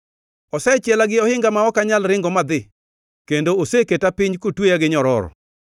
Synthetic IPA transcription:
ɔsɛt͡ʃjɛlaɡɪɔhɪŋɡamaɔkaɲalɾɪŋɡɔmad̪ɪ | kendooseketapɪɲkotwejaɡɪɲɔɾɔ̰ɾɔ̰

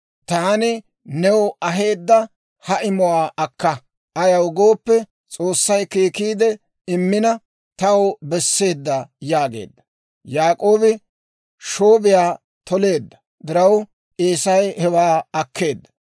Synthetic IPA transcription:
t̪aːnɪ | nɛwɐɦe̞ːd̪ːɐ | hɐʔɪmʊwaːʔɐkːɐ | ʔɐjɐwɡo̞ːpːɛ | t͡sʼo̞ːsːɐjkiːkiːd̪ɛ | ɪmːɪnɐ | t̪ɐwbɛsːe̞ːd̪ːɐjaːɡe̞̰ːd̪ːɐ̥ | jaːkʼo̞ːbɪ | ʃoːbɪjaː | t̪ɔle̞ːd̪ːɐ | d̪ɪɾɐw | ʔeːsɐjhɛwaːɐkːe̞ːd̪ːɐ̥

